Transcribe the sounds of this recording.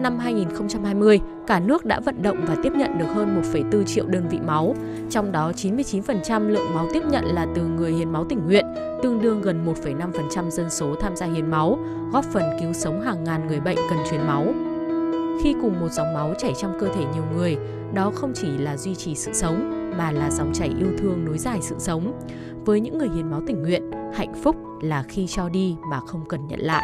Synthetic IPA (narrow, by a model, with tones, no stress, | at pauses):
na˧mɦaː˧jŋi˨˩nxə˧wŋ͡mt͡ɕa˧mhaː˧jmɨ˧əj | kaː˧˩nɨ˦˥ək̚ɗa̰ː˧˥və̰˧˨nɗə̰˧˨wŋ͡mvaː˨˩t̪i˦˥əp̚ɲə̰˧˨nɗɨ˨˩ək̚həː˧nmo˨˩t̚fə˧˩jt̪ɨ˧t͡ɕḭ˧əwɗəː˧nvḭ˧˨ma˨˦w | t͡ɕɔ˧wŋ͡mɗɔ˨˦t͡ɕi˨˦nmɨ˧əjt͡ɕi˨˦nfə˨˩nt͡ɕa˧mlɨ̰˧˨əŋma˨˦wt̪i˦˥əp̚ɲə̰˧˨nlaː˨˩t̪ɨ˨˩ŋɨ˨˩əjhḭ˧˨ənma˨˦wt̪ï˧˩ŋ̟ŋwḭ˧˨ən | t̪ɨ˧əŋɗɨ˧əŋɣə˨˩nmo˨˩t̚fə˧˩jna˧mfə˨˩nt͡ɕa˧mzə˧nso˨˦t̪ʰaː˧mzaː˧hḭ˨˩ənma˨˦w | ɣɔ˦˥p̚fə˨˩nki˨˦wsə˨˦wŋ͡mɦaː˨˩ŋːaː˨˩nŋɨ˨˩əjɓə̰˧˨jŋ̟kə˨˩nt͡ɕwi˨˦ənma˨˦w | xi˧kʊ˨˩ŋ͡mmo˨˩t̚za˨˦wŋ͡mma˨˦wt͡ɕa˧˩jt͡ɕɔ˧wŋ͡mkəː˧t̪ʰe˧˩ɲi˨˩əwŋɨ˨˩əj | ɗɔ˨˦xə˧wŋ͡mt͡ɕi˧˩laː˨˩zwi˧t͡ɕi˨˩sɨ̰˧˨sə˨˦wŋ͡mmaː˨˩laː˨˩za˨˦wŋ͡mt͡ɕa˧˩jʔi˧əwt̪ʰɨ˧əŋno˨˦jzaː˨˩jsɨ̰˧˨sə˨˦wŋ͡m | vəː˨˦jɲɨ̰˧˥ŋːɨ˨˩əjhḭ˨˩ənma˨˦wt̪ï˧˩ŋ̟ŋwḭ˧˨ənha̰˧˨jŋ̟fʊ˦˥k͡p̚laː˨˩xi˧t͡ɕɔ˧ɗi˧maː˨˩xə˧wŋ͡mkə˨˩nɲə̰˧˨nla̰ː˧˨jʔ